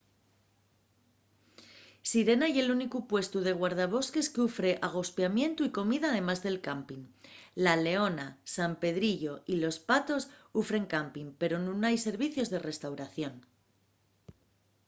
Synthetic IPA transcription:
siɾe̞naje̞lunikupwe̞st̪uð̞e̞ɣ̞waɾð̞aβ̞o̞ske̞skeufɾe̞ʔaɣ̞o̞spjamjẽ̞nt̪uiko̞miðaːðe̞mazðe̞lkampiŋlale̞o̞nasampe̞ðɾiʎo̞ilo̞spat̪o̞sufɾe̞ŋkampiŋpe̞ɾo̞nũnajse̞ɾβ̞iθjo̞zðe̞re̞st̪awɾaθjo̞n

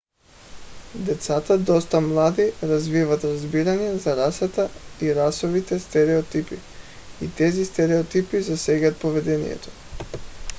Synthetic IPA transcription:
d̪ɛt̪sat̪ad̪ɔst̪amlˠad̪iɾazvivat̪ɾazbiɾaɲɛzaɾasat̪aiɾasɔvit̪ɛst̪ɛɾɛɔt̪ipi | it̪ɛzist̪ɛɾɛɔt̪ipizasɛɡat̪̚povɛd̪ɛnḭjɛ̰t̪ɔ̥

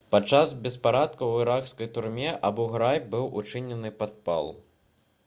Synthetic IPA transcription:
pat͡ʂːazbʲɛspaɾat̪̚kɐwɨɾakskɐjt̪urmʲɛʔabɔɣɾajbɨwut͡ʂɨnʲɛnɨpad̪̚pa̰lˠ

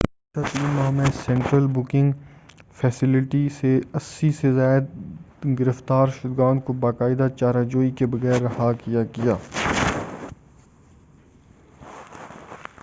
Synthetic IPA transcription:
t̪at̪iːnmãːmẽsɛ̃ɳʈɾəlbʊkɪ̃ŋɡfʰɛːsɪlɪʈiseɐsːisezaːɪd̪̚ | ɡɪɾəft̪aːɾʃʊd̪ɡãːnd̪kobaːkaːɪd̪at͡ʃaːɾad͡ʒoːikebɐɣɛːɾːɐhakɪjakɪjaː

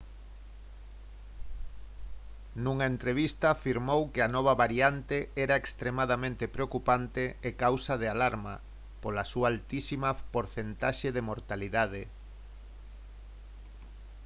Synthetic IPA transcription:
nuŋaent̪ɾeβ̞ist̪aːfiɾmowkɪɐnɔβ̞ɐβaɾjant̪eɛɾaekst̪ɾemaðamẽnt̪epɾeokupant̪eːkawsɐðealaɾma̰ | polasuaalt̪isimɐpoɾθent̪aʃeðemoɾt̪aliðað̞e

